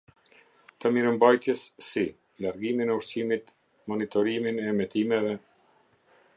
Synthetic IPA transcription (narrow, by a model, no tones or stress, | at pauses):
t̪əmiɾəmbajt̪jɛsːi | laɾɡiminɛuʃsimit̪ | mɔnit̪ɔɾiminɛmɛt̪imɛvɛ